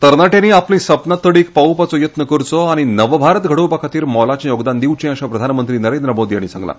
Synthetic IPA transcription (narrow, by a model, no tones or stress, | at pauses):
t̪əɾnaʈeniːaplĩsəpnat̪ːəɽiːk̚paupat͡sɔjət̪nəkəɾt͡sɔaɽ̃inəʋbʱaɾət̪ɡʱəɽəʋpəkʰat̪iːɾmɔlat͡ɕẽjoɡd̪and̪iʋt͡ɕẽəɕãpɾəd̪ʱanmənt̪ɾiːnəɾend̪ɾəmod̪iːa̰ɽ̃isã̰ŋɡla̰